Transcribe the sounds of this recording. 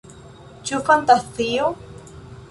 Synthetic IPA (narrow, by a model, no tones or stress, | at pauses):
t͡ʃufant̪aθio